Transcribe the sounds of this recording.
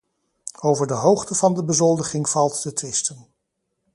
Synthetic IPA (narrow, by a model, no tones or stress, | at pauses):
owvəɹdəɦowχtəvɑndəbəzɔlˠdəχɪŋv̥ɑlˠtdətʋɪstən